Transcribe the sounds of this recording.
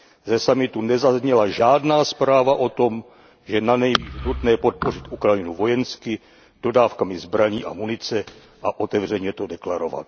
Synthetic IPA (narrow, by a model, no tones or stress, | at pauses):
zɛsamɪt̪unɛzazɲɛlaʒaːdnaːspɾaːvaʔo̞t̪o̞m | ʒɛnanɛjviːnut̪nɛːpo̞t̪̚po̞rɪt̪ʔukɾajɪnuvo̞jɛnskɪ | d̥o̞daːfkamɪzbɾaɲiːʔa̰munɪt͡sɛ | ʔaʔo̞t̪ɛvr̝ɛɲɛt̪o̞dɛklaɾova̰t̪̚